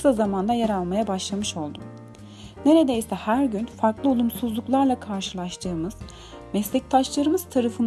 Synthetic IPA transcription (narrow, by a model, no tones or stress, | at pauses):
sazamand̪ajaɾalˠmajabaʃlˠamɯʃo̞lˠd̪ʊ | ne̞ɾe̞d̪e̞jsɛhæɾɟynfaɾklˠɯolˠumsuzlˠuklˠaɾlˠakʰaɾʃɯlˠaʃt̪ʰɯːmɯz̥ | mɛslʲɛc̚t̪ʰaʃlˠaɾɯmɯz̥t̪ʰaɾafɯn